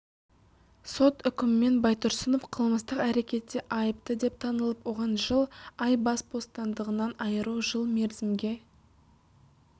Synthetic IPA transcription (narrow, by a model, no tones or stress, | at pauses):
so̞t̪ʏkʲɪmɪme̞nbɑjt̪ʊɾsəno̞fqʰəlˠməst̪əqæɾe̞kʲe̞t̪ːe̞ʔɑjəp̚t̪əd̪e̞p̚t̪ʰɑnəlˠəpwo̞ʁɑnʒəlˠɑjbɑsbo̞st̪ɑnd̪əʁənɑnɑjəɾuwʒəlˠme̞ɾzɪmɡʲe̞